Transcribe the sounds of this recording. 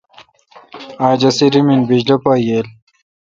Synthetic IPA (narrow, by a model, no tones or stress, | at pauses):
aːd͡ʑɐsiɾiminbid͡ʑlɐpaːjeːl